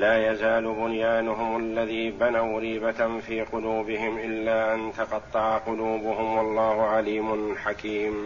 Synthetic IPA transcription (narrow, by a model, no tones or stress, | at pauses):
laːjazaːlʊbʊnjaːnʊɦʊmalːaðiːbanawɾiːbafiːqʊluːbɪɦɪmʔɪlːaːʔant̪ɑqɑt̪ˤːɑʕaqʊluːbʊhʊmwɑlˤːɑːhʊʕaliːmʊnħakiːm